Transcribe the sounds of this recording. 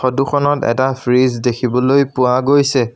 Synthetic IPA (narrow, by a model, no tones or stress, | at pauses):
oduxʰɔnɔtɛ̰tapʰɹizdekʰibɔlojpʊwaɡojsɛ